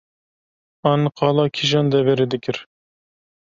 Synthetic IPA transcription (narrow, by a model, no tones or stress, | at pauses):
ɑnqʰɑlˠɑkʲʰiʒɑnd̪ɛvɛɾɪd̪ɪkʲʰɪɾ